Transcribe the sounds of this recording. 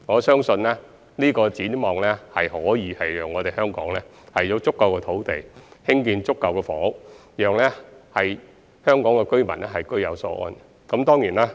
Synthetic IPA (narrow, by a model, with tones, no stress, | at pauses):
ŋɔː˨˧sœː˥ŋsɵ˧nlɛː˥ | liː˥kɔː˧t͡siː˨˥nmɔː˨ŋlɛː˥hɐ˨jhɔː˨˥jiː˨˧hɐ˨jjœː˨ŋːɔː˨˧t̪e˨jhœː˥ŋkɔː˨˥ŋlɛː˥ | hɐ˨˩jɔː˨˥t͡sʊ˥kːɐ˨wkɛː˧t̪ʰo˨˥wt̪e˨jhɪ˥ŋkiː˧nt͡sʊ˥kːɐ˨wkɛː˧fɔː˨˥jœː˨ŋlɛː˥hɐ˨j | hœː˥ŋkɔː˨˥ŋkɛː˧kɵ˥ɥmɐ˨˩nɛ˥hɐ˨jkɵ˥ɥjɐ̰˨˧wsɔː˧ʔɔ̰ː˧n | kɐ˨˥mt̪ɔː˥ŋjiː˨˩naː˥